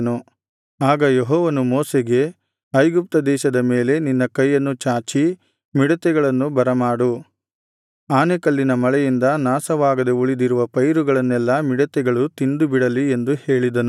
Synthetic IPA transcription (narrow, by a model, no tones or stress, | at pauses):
nu | aːɡɐjeɦɔːʋɐnumɔːseɡe̞ | ɐjɡup̚t̪ɐd̪ɛːʃɐd̪ɐmeːle̞ninːɐkɐjːɐnːut͡ʃaːt͡ʃi | miɽɐt̪ɛɡɐɭɐnːubɐɾɐmaːɽu | aːnekɐlːinɐmɐɭɛjind̪ɐnaːsɐʋaːɡɐd̪euɭid̪iɾuʋɐpɐjɾuɡɐɭɐnːɛlːɐmiɽɐt̪ɛɡɐɭut̪ind̪ubiɽɐlie̞nd̪uhe̞ːɭid̪ɐnu